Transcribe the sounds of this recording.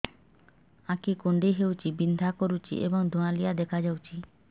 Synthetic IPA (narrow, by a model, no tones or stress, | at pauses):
akikuɳɖiɦewt͡ʃibind̪ʱakɔɾut͡ʃʰḭʔḛbɔŋd̪ʱɔ̃ãlijad̪ɛkʰad͡ʒawt͡ʃʰi